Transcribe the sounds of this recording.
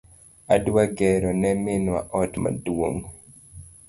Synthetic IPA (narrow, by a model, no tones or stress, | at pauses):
adwaɡɛɾɔnɛmɪnwa̰ʔɔtma̰dwo̰ŋ